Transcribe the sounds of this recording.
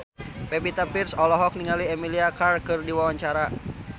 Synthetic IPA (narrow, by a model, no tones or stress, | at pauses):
pɛpit̪apirsɔlɔɦɔk̚niŋaliɛmiliakarkɨrdiwawaɲt͡ʃaɾa